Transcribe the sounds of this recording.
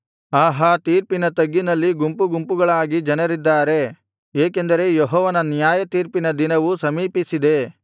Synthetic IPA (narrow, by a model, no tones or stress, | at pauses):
aːɦaːt̪iːɾpinɐt̪ɐɡːinɐlːiɡumpuɡumpuɡɐɭaːɡid͡ʒɐnɐɾid̪ːaːɾe̞ | eːkend̪ɐɾe̞jɔɦɔːʋɐnɐnjaːjɐt̪iːɾpinɐd̪inɐʋusɐmiːpisid̪e̞